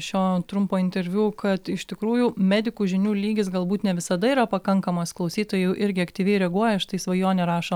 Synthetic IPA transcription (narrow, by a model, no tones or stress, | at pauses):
ʃʲoːt̪ɾʊmpoːɪnʲt̪ʲɛɾʲʋʲuːkʰɐt̪ɪʃt̪ʲɪkɾuːjumʲæːd̪ʲɪkuːʒʲɪnʲuːlʲiːɡʲɪsɡɐlˠbuːt̪nʲɛʋʲɪsɐd̪ɐiːɾɐpɐkɐŋkɐmɐsklˠɐʊsʲiːt̪oːjɛjɛʔɪɾʲɡʲɪɐkt̪ʲiːʋʲɛɪɾʲɛɡuɔjɛʃt̪ɐɪsʋɐjoːnʲɛɾɑːʃo